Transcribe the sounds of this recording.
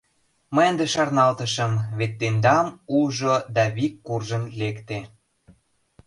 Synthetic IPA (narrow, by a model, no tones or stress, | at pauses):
məjənd̪eʃɑrnɑlt̪əʃəmβet̪ːend̪ɑmuʒod̪ɑβikːurʒənlekt̪e